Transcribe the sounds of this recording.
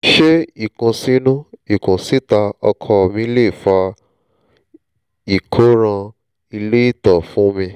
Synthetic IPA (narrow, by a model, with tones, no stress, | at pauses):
ʃe˦i˦˨kũ˨si˦nũ˦i˨kũ˨si˦ta˧ɔ˧kʰɔ˧˨mĩ˧˦le˦˨fa˧ | i˨kʰo˨˦ɾ̃ã˧ | i˧le˦i˦˨tɔ˨fũ˨˦mĩ˧